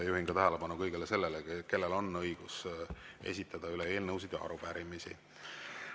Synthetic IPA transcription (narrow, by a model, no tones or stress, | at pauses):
ejuɦiŋɡ̥ɑt̪æɦælepɑnukɤjɡ̥elese̞lːeleke̞lːelo̞nːɤjɡ̥use̞̰s̬ʲit̪ˑːɑd̪̥ɑylee̞ːlnəwsid̪jɑɑ̰ɾupæɾimisḭ